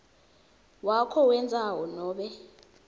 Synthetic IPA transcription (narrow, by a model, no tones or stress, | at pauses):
wakʰɔwɛnd͡zʱawɔnɔːɓɛ